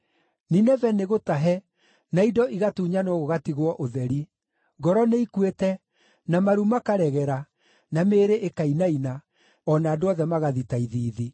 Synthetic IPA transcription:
ninɛvɛneɣotaɦɛ | naidɔʔiɣatuːɲanɔɣoɣatiɣwɔʔoðɛɾi | ɡɔɾɔneikwetɛ | namaɾumakaɾɛɣɛɾa | nameːɾeʔekainaina | ɔnaːdoɔðɛmaɣaðitaiðiːði

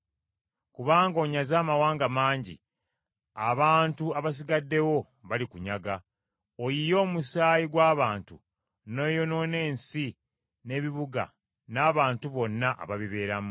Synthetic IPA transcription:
kuβaːŋɡo̞ːɲazaːmawaːŋɡamaːɲɟḭ | aβaːntuaβas̬iɡadːe̞wo̞ | βalikuɲaɡa | ojijo̞ːmusaːjiɡwaːβaːntṵ | nojo̞no̞ne̞ːnsi | ne̞ːβiβuɡa̰ | naːβaːntuβo̞nːaʔa̰βaβiβe̞ːɾamu

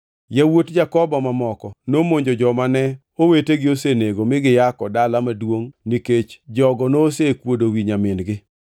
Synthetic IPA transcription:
jawotd͡ʒakɔbɔmamɔkɔnomoɲd͡ʒod͡ʒɔmanɛ | oweteɡɪoseneɡomɪɡɪjakɔdalamadwoŋniket͡ʃd͡ʒɔɡɔnoːsekwodowiɲamɪnɡɪ

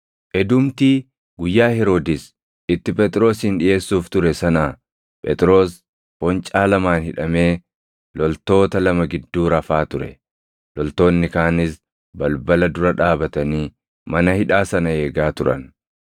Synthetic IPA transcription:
ʔɛd̪ʊmt̪iː | ɡʊjːaːhɛɾoːd̪ɪs | ɪt̪ːɪpʼɛt̪ʼɾo̞ːsɪnᶑɪje̞ːsːuːft̪ʊɾɛsɐnaː | pʼɛt̪ʼɾo̞ːs | pɔnt͡ʃʼaːlɐmaːnhɪᶑɐme̞ː | lɔlt̪o̞ːt̪ɐlɐmɐɡɪd̪ːuːɾɐfaːt̪ʊɾɛ̰ | lɔlt̪o̞ːnːɪkaːnɪs | bɐlbɐlɐd̪ʊɾɐᶑaːbɐt̪ɐniː | mɐnɐhɪᶑaːsɐnɐe̞ːɡaːt̪ʊɾɐ̰n

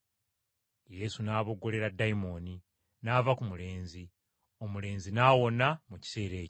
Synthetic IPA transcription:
je̞sunaːβo̞ɡːo̞le̞ɾadːaimo̞ːni | naːvakumule̞ːnzi | o̞mule̞ːnzinaːwo̞namuci̥se̞ːɾe̞ːco

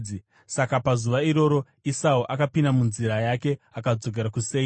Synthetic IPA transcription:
i | sakapazuʋaiɾo̞ɾo̞ | isauʔakapindamunziɾajake̞akad͡zo̞ɡ̬e̞ɾakuse̞ːi

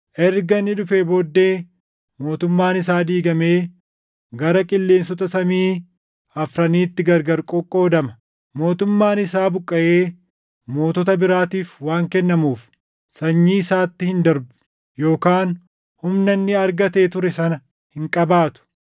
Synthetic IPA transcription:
ʔɛɾɡɐnːɪᶑʊfeːbo̞ːd̪ːe̞ː | mo̞ːt̪ʊmːaːnɪsaːd̪iːɡɐmeː | ɡɐɾɐkʼɪlːe̞ːnsɔt̪ɐsɐmiː | ɐfɾɐniːt̪ːɪɡɐɾɡɐɾkʼɔkʼːo̞ːd̪ɐmɐ | mo̞ːt̪ʊmːaːnɪsaːbʊkʼːɐʔeː | mo̞ːt̪ɔt̪ɐbɪɾaːt̪iːfwaːŋkɛnːɐmuːf | sɐɲːiːɪsaːt̪ːɪhɪnd̪ɐɾbʊ̥ | jo̞ːkaːn | hʊmnɐnːɪɐɾɡɐt̪e̞ːt̪ʊɾɛsɐnɐ | hɪŋkʼɐbaːt̪ʊ̥

